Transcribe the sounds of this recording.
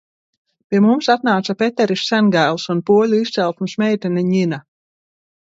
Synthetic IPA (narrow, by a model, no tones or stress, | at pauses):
pʲiɛmumsat̪naːt̪sapet̪ɛɾisʲːænɡaːlˠsunpuɔlʲuist̪sɛlˠt̪musmɛjt̪ɛnɛɲina